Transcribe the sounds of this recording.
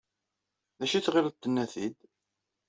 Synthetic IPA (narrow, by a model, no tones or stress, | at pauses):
ðæʃit͡sːʁɪɾ̚t̪ːənːæθid̪